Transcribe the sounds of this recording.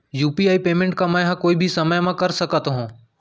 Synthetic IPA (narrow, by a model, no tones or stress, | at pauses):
juːpiaːipeːmẽɳʈ̚kãməjɦãkoːibʱisɐməjmãːkɐɾsəkət̪oɦõː